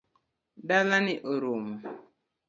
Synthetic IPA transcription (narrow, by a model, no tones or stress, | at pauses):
dalanɪʔoɾumɔ